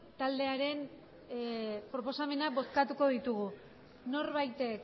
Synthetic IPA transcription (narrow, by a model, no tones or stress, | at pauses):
t̪ald̪e̞aɾe̞n | pɾo̞po̞same̞nabo̞t̪kat̪uko̞ðit̪uɣu | no̞ɾβajt̪e̞k